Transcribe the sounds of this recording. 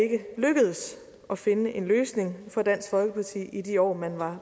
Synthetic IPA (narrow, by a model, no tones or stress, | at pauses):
e̝ɡ̥əløɡ̥əð̞ˠəs | ʔɒ̽fe̝nəʔe̝nløːsne̝ŋfɒ̽d̥æn̰sɡ̥fɒ̽lɡ̥əpʰɑ̈t͡sʰḭːid̥iɒ̰ːmænʋɑ̈